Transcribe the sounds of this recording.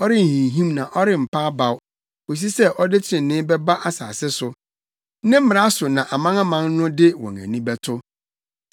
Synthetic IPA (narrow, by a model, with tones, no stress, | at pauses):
ɔ˦ɾɪ˦n̩˨hĩ˨ɦĩ˦mnã˨ʔɔ˦ɾɪ˦m̩˨pʰa˦ba˨w | o˨s̬i˦sɛ˦ʔɔ˦dɪ˦t͡ɕʰɪ˨ɾɪ̃˨nɪ̃ː˦bɛ˦ba˦ʔa˦sa̰ː˨sɪ˦sʊ˨˦ | nɪ̃˦m̩˦mɪ̃˨ɾa˦sʊ˨nã˨ʔa˨mã˦ŋa˦mã˦nnʊ̃˦dɪ˦wɔ̰̃˨ŋæ̰̃˨nĩ˦bɛ˦tʰʊ˦